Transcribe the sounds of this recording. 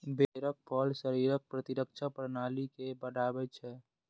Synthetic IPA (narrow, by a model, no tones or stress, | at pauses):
beɾək̚pʰəlsəɾiɾək̚pɾət̪iɾək̚t͡ʃʰapɾnaːlikebəɽaːbɛt͡ʃʰɛ